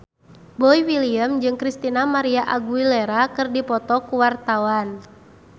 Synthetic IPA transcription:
bɔiwiliəmd͡ʒɨŋkɾist̪inamaɾiaʔaɡuilɛɾakɨrdipɔt̪ɔkuwart̪awan

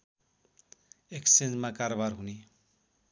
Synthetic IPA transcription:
eksend͡zmakaɾobaɾɦuni

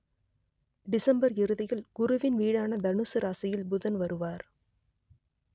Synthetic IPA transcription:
ɖɪsɐmbɐɾɪɾɯðɪjɐlɡ̥ʊɾʊʋɪnʋiːɽaːnɐd̪ɐɳɯsɯɾaːsɐjɪlbʊðɐnʋɐɾɯʋaːɾ

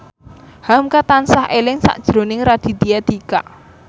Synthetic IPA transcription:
hamkat̪ansahelɪŋsa̰ʔd̥ʒ̥ɾonɪŋrad̪̥i̤d̪iad̪̥ikaʔ

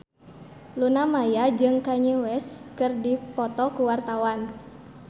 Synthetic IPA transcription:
lunamajad͡ʒɨŋkaɲewɛskɨrdipɔt̪ɔkuwart̪awan

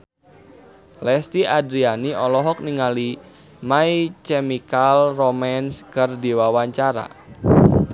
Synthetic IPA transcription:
lɛst̪iadɾianiʔɔlɔɦɔk̚niŋali | mait͡ʃɛmikalromɛnskərdiwawaɲt͡ʃaɾa̰

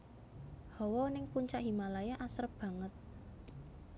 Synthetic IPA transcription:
hɔwɔnɪŋpuɲt͡ʃaʔɦimalajaʔasəɾb̥a̤ŋət̪̚

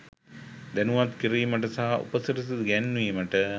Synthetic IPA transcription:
d̪ænuʋat̪kiɾiːmɐʈ̬əsaɦɐʔṵpɐsiɾisid̪ɡɛnːʋiːmɐʈə

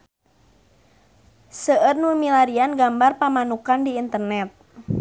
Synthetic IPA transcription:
səərnumilaɾianɡambarpamanukandiːnt̪ərnɛt̪̚

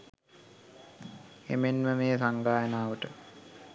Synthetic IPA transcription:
ḛmenməmeːsaŋɡaːjənaːʋəʈə

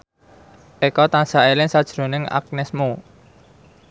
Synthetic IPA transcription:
ʔekɔt̪ansaelɪŋsad̥ʒ̥ɾo̤nɪŋa̰k̚nɛsmu

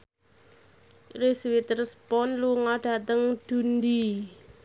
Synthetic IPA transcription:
resiwit̪ərspɔnluŋaɖ̥a̤t̪əŋd̪̥ṳnd̪i

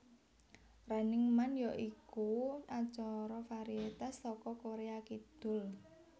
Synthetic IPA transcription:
ranɪŋmanjɔʔikuat͡ʃɔɾɔfaɾiet̪ast̪ɔkɔkoɾeakid̪̥ʊ̤l

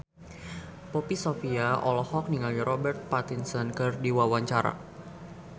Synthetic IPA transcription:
pɔpisofiaʔɔlɔhɔk̚niŋaliɾʔɔbɛrt̪̚pat̪insɔnkɨrdiwawaɲt͡ʃaɾa̰

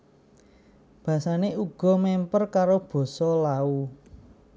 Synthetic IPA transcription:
b̥ä̤saneuɡ̥ɔ̤mɛmpərkaɾob̥ɔ̤sɔlau

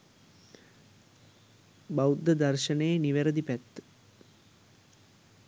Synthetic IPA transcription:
bawud̪ːəd̪ɐrʃənəjeniʋeɾəd̪ipæt̪ː

